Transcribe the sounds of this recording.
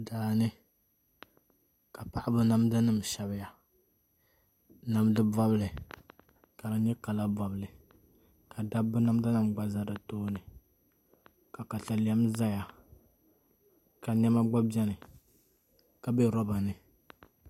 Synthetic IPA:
daː˨nɨ˦ | ka˨pa˨ʔa˦bʊ˦na˦m˦da˦nɨ˦˨m˨ʃɛ˨bɪ˦ja˨ | na˨˦mdɨ˦ba˦blɨ˨ | ka˨la˦ɲɛ˦ka˨la˦bɔ˨blɨ˨ | ka˨da˦bːʊ˦na˦m˦da˦nɨ˦˨mɡ͡ba˦za˨dɨ˨toː˦nɨ˨ | ka˨ka˨ɬa˨ljɛ˦mza˦ja˨ | ka˨ɲɛ˦ma˦ɡ͡ba˦bi˦ɛ˦nɨ˨ | ka˨bɛ˦ɾɔ˦ba˨nɨ˨

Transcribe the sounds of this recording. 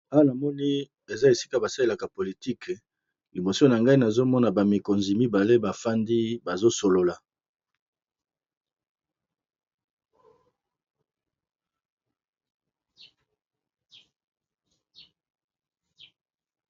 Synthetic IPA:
a˦wa˦na˨mɔ˦ni˦ | e˨za˦e˨si˦ka˦ba˨sa˦le˦la˨ka˨po˨li˨ti˦k | li˨mo˨so˦na˨ŋɡa˦i˦na˨zo˦mɔ˦na˨ba˨mi˨ko˨nzi˨mi˦ba˨le˦ba˨fa˦ndi˦ba˨zo˦so˨lo˨la˨

